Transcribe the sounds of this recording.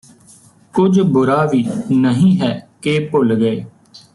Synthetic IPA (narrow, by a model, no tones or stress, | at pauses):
kʊd͡ʒbʊɾaːʋiːnəɦĩːɦɛːkeːpʊlɡəeː